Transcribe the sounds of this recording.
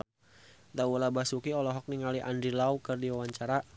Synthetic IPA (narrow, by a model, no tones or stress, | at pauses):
d̪aulabasukiɔlɔɦɔk̚niŋaliʔandɾilaukərdiwawaɲt͡ʃaɾa